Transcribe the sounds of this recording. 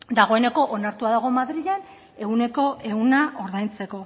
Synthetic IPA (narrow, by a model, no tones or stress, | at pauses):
d̪aɣ̞o̞e̞ne̞ko̞ʔonaɾt̪uaðaɣ̞o̞maðɾiʎan | e̞ɣune̞ko̞ʔe̞ɣunaʔo̞ɾðajnt͡se̞ko̞